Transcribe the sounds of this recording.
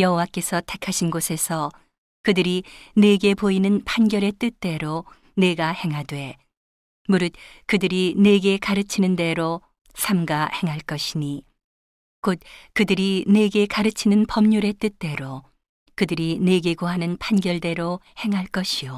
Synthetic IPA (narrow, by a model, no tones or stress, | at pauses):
jʌɦowak͈e̞sʰʌtʰakʰaɕʰinɡosʰe̞sʰʌ | kɯdɯɾine̞ɡe̞poinɯnpʰanɡjʌɾe̞t͈ɯt̚t͈e̞ɾo | ne̞ɡahe̞ŋɦadwe̞ | muɾɯt̚kɯdɯɾine̞ɡe̞kaɾɯt͡ɕʰinɯnde̞ɾo | sʰamɡahe̞ŋɦaɭk͈ʌɕʰiɲi | kot̚kɯdɯɾine̞ɡe̞kaɾɯt͡ɕʰinɯnpʌmɲuɾe̞t͈ɯt̚t͈e̞ɾo | kɯdɯɾine̞ɡe̞ɡoɦanɯnpʰanɡjʌɭde̞ɾo | he̞ŋɦaɭk͈ʌɕʰio